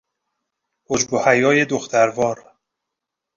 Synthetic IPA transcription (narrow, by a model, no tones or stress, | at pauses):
hod͡ʒbohæjɒːje̞d̪oxt̪ʰæɾvɒːɾ